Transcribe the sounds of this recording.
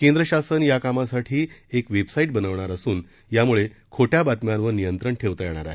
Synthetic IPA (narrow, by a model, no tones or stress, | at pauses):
kẽnd̪ɾəɕasənjakamasaʈʰiːekʋebsaiːʈ̚bənəʋɳaɾəsuːn | jamuɭekʰoʈjabat̪mjanʋəɾnijənt̪ɾəɳʈʰeʋt̪əjɛɳ̃a̰ɾaɦe